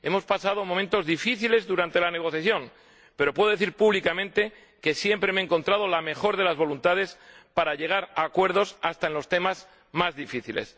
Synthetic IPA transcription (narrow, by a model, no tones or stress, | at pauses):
e̞mo̞spasað̞omomẽ̞nt̪o̞zðifiθile̞zðuɾant̪e̞lane̞ɣ̞o̞θjaθjo̞ŋ | pe̞ɾo̞pwe̞ðo̞eθiɾpuβlikamẽnt̪e̞ | ke̞sje̞mpɾe̞meŋko̞nt̪ɾað̞o̞lame̞xo̞ɾðe̞lazβo̞lunt̪aðe̞spaɾaʎe̞ɣ̞aɾakwe̞ɾð̞o̞sast̪aenlo̞st̪e̞maz | mazðifiθile̞̰s